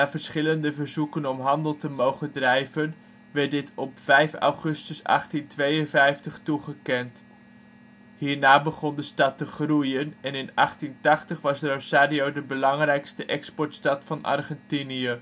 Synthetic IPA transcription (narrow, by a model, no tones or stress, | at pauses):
naːvəɹsχɪləndəvəɹzukənɔmɦɑndəlˠtəmowχədrɛjvən | ʋɛɹdɪtʰɔpfɛjfɑ̰wχɵstəsɑ̰χtintʋejənvɛjftəχtuχəkɛnt | hɦiːɹnaːbəχɔndəstɑtəχrujənɛnɪnɑχtintɑχtəχʋɑsrosaːdiowdəbəlɑŋrɛjkstəʔɛkspɔɹtstɑtfɑnɑ̰rχɛntiniə